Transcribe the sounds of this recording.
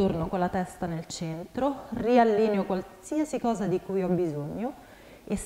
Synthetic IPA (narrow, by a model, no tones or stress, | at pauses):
ornokolːat̪ɛst̪anelt͡ʃɛnt̪ɾorialːineokwalsiasikɔːzad̪ikujɔbːizoɲːo | es